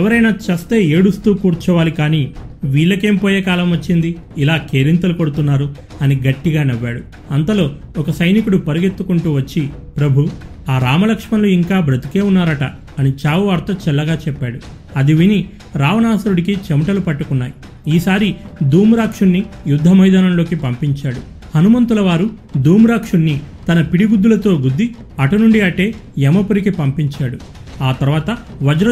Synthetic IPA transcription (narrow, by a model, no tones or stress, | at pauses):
ɛʋɐɾɐjnaːt͡ʃɐst̪e̞ːeːɽust̪uːkuːɾt͡ʃɔːʋaːlikaːniːʋiːɭːɐke̞ːmpoːjeːkaːlɐmʋɐt͡ʃːind̪iː | laːkeːɾint̪̬ɐlukoɽut̪unːaːɾu | ɐniɡɐʈːiɡaːnɛʋːaːɽu | ɐnt̪ɐlo̞ː | ɔkɐsɐjnikuɽupɐɾuɡe̞t̪ːukuɳʈuːʋɐt͡ʃːipɾɐbʱu | aːɾaːmɐlɐkʂmɐnluiŋkaːbɾɐt̪i̥ke̞ːunːaːɾɐʈɐː | nit͡ʃaːʋuɐɾt̪ɐt͡ʃɛlːɐɡaːt͡ʃɛpːaːɽu | ɐd̪iʋini | ɾaːʋɐnaːsɐɾuɽik̬it͡ʃemɐʈɐlupɐʈːukunːaːji | iːsaːɾid̪uːmuɾaːkʂunːijud̪ʱːɐmɐjd̪aːnɐmlo̞ːkipɐmpiɲt͡ʃaːɽu | hɐnumɐnt̪ulɐʋaːɾu | d̪uːmɾaːkʂunːit̪ɐnɐpiɽiɡud̪ːulɐt̪o̞ːɡud̪ːi | ɐʈɐnuɳɖiɐʈe̞ːɛmɐpuɾikipɐmpiɲt͡ʃaːɽu | aːt̪ɐɾʋaːt̪ɐ | ʋɐd͡ʒɾɐ